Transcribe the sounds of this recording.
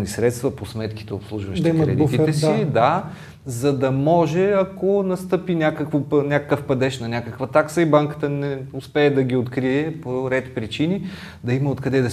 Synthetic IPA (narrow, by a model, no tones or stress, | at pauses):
nisɾɛt̪st̪vɐposmɛt̪k̟i̥t̪ɛopslˠuʒvəʃdt̪imkɾɛd̪it̪iɛsid̪a | zɐd̪ɐmɔʒɛɐkonɐst̪ɤpinʲakəkvonʲakəkəfpɐd̪ɛʃnɐnʲakəkvɐt̪aksəibaŋkə̥t̪ənɛʊspɛːd̪ɐɡʲiot̪kɾiɛpoɾɛt̪pɾit͡ʃini | d̪ɐimɐot̪kɐd̪ɛd̪ɐ